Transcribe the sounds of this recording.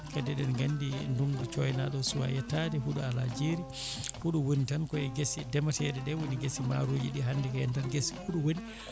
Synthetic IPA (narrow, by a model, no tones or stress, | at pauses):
kɛdɛɗɛnɡanːdinduŋɡut͡ʃɔjnaɗɔsuwa̰jɛtadɛɦuɗualad͡ʒeɾi | huɗuwunitankɔɛɡesidɛmatɛɾɛdɛwuniɡesima̰ɾoːd͡ʒiɗiɦandɛkajɛntanɡesi̥huɗuwuni